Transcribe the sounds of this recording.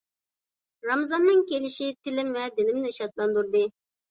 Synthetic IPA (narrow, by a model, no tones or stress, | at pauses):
ɾɑmzɑnːɨŋkʲelɪʃit̪ʰɪlɪmvɛd̪ɪlɪmnɪʃɑt̪lˠɑnd̪uɾd̪ɨ